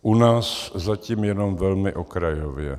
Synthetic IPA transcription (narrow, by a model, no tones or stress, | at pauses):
ʔunaːszaciːmjɛnomvɛlmɪʔokɾajovjɛ̰